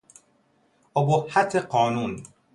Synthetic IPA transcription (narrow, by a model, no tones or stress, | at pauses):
obohat̪ʰeqɔːnuːn